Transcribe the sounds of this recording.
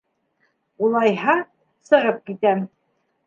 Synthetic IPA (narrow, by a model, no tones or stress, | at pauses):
ulˠɑjɦɑ | sɤ̆ʁɤp̚kit̪æm